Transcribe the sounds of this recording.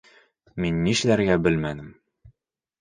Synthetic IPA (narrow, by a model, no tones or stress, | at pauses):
minːiʃlæɾɡæbɘlmænɘm